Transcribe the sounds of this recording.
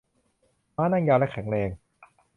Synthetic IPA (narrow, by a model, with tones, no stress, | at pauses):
maː˦˥˩naː˥˩ŋjaː˧lɛ˦˥kʰɛ˨˩˦ŋɾeː˧ŋ